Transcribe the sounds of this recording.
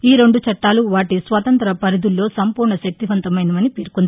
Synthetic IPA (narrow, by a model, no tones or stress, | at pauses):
iːɾe̞ɳɖut͡ʃɐʈːaːluʋaːʈisʋɐt̪ɐnt̪ɐɾɐpɐɾid̪ulːo̞ːsɐmpuːɾɳɐʃɐk̚t̪iʋɐnt̪ɐmɐjnɐmɐnipiːɾkund̪ii